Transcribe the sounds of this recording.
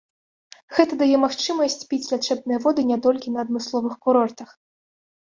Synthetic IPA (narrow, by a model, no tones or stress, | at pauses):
ɣɛt̪ɐd̪ajɛmaxt͡ʂɨmɐsʲt͡sʲpʲit͡sʲlʲat͡ʂɛbnɨjɐvɔd̪ɨnʲɛt̪ɔlʲkʲinɐːd̪mɨslˠɔvɨxkuɾɔrt̪ɐx